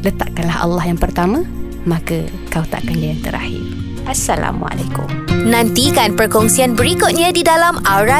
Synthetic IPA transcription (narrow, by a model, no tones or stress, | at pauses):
lət̪a̰ʔkanlahɑ̰lːɑhjaŋpərt̪amã | mãka | kawt̪a̰ʔkanlajaŋt̪əɾa̰hḭr | ʔasala̰mṵa̰lakʊ̰mnãnt̪ikanpərkɔŋsianbəɾikʊt̪̚ɲãdidalamaɾa